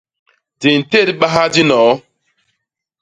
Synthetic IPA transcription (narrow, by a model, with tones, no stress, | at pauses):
di˨n̩˨te˦˨ɾɓa˦ɦa˦d͡ʒi˦nɔː˨˦